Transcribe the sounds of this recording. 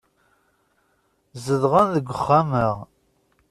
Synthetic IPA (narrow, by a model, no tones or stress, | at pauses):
zəðʁənðəɡʷəχːaməʁ